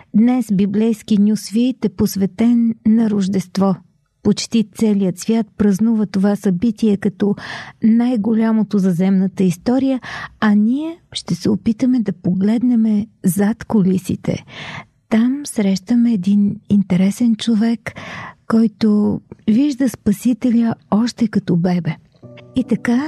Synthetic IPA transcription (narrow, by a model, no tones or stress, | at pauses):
d̪nɛsbiblɛjskinʲjusvit̪ɛposvɛt̪ɛnːɐɾʊʒd̪ɛst̪vɔ | pot͡ʃt̪it̪sɛlijət̪svʲjat̪̚pɾɐznuvət̪ovasɐbit̪iɛkɐt̪ɔnajɡolʲamot̪ozɐzɛmnət̪əist̪ɔɾijəɐnʲiɛʃt̪ɛsɛopit̪əmɛd̪ɐpoɡlɛd̪nɛmɛzat̪kolisḭt̪ɛ̰ | t̪amsɾɛʃt̪əmɛːd̪inint̪ɛɾɛsɛnt͡ʃovɛkːɔjt̪oviʒd̪əspɐsit̪ɛlʲəɔʃt̪ɛkɐt̪ɔbɛbɛ | it̪ɐka